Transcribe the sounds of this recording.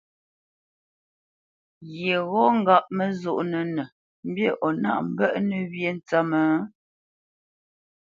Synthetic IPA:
ɣe˨ɣɔ˦ŋ̩˦ɡa˦˨ʔ̚mə˦zo˦˨ʔnə˨nə˨ | m̩˦bje˦˨ʔɔ˨na̰˦ʔm̩˦bə˦ʔnə˨βje˦˨n˨t͡sa˦mə˨˦

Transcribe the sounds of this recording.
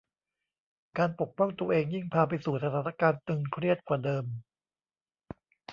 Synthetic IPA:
kaː˧npo˨˩k̚pɔ˥˩ŋt̪u˧əʔeː˧ŋji˥˩ŋpʰaː˧pa˧jsuː˨˩sa˧t̪ʰaː˨˩˦na˥kaː˧nt̪ɯ˧ŋkʰɾi˥˩ət̪̚kwaː˨˩dɤː˧m

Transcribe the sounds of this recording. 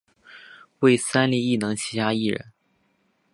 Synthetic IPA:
we˥˩ɪsa˥nli˥˧i˥˩nɤ˧˥ŋt͡ɕʰi˧˥t̪ʰa˥i˥˩ɻə̰˧˥n

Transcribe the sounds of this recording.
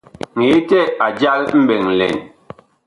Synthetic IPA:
ŋe˨˦tɛ˦˨a˨d͡ʒa˦lm̩˦bɛ˨ŋn̩˨lɛ̰˨n

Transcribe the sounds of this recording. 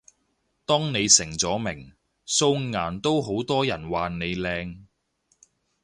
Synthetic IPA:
t̪ɔː˥ŋne˨˧jsɪ˨˩ŋt͡sɔː˨˥mɪ˨˩ŋ | so˧wŋaː˨˩nt̪o˥wɦo˨˥wt̪ɔː˥jɐ˨˩nwaː˨ne˨˧jlɛː˧ŋ

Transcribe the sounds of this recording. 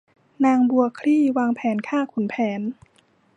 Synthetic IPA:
naː˧ŋbu˧ɐəkʰɾiː˥˩waː˧ŋpʰɛː˩˦nkʰaː˥˩kʰu˨˩˦npʰɛː˩˦n

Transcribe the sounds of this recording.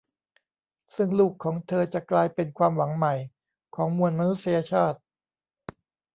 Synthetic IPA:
sɯ˥˩ŋluː˥˩kʰːɔː˩˦ŋt̪ʰɤː˧t͡ɕa˨˩klaː˧jpe˧nkʰwaː˧mwa˩˦ŋma˨˩j | kʰɔː˩˦ŋmu˧ənma˧nu˦˥t̪̚sa˧ja˧t͡ɕʰaː˥˩t̪̚

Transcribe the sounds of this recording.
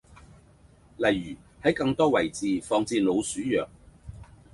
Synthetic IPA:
lɐ˨jːyː˨˩ | hɐ˨˥jkɐ˧ŋt̪ɔː˥wɐ˨˩jt͡siː˨˧fɔː˧ŋt͡siː˧nlo˨˧wsyː˨˥jœː˨k̚

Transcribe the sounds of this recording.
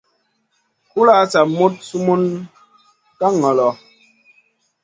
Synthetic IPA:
ku˦la˦t͡sa˨mu˦t̚su˦mu˦n | ka˦ŋɔ˨lɔ˨

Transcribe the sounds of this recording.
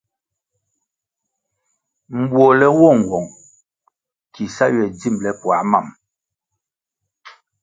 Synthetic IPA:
m̩˨bwo˨lɛ˨wɔ˦˨ŋ̩˨ɡwɔ˨ŋ | kʰi˨sa˦ɥɛ˨d͡zi˦˨mlɛ˨pwa˨˦ma˦˨m

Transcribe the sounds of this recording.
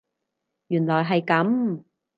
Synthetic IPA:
jyː˨˩nlɔː˨˩jɦɐ˨jkɐ˨˥m

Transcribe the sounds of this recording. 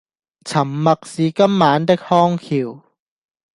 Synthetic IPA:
t͡sʰɐ˨˩mːɐ˨k̚siː˨˥kɐ˥mːaː˨˧˥nt̪ɪ˥k̚hɔː˥ŋkʰiː˨˩w

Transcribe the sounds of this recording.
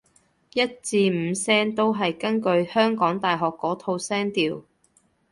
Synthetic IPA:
jɐ˥t̚t͡siː˧m̩ː˨˧sɛː˥ŋt̪o˥wɦɐ˨jkɐ˥nkɵ˧ɥhœː˥ŋkɔː˨˥ŋt̪aː˨jɦɔː˨kːɔː˨˥t̪ʰo˧wsɛː˥ŋt̪iː˨w

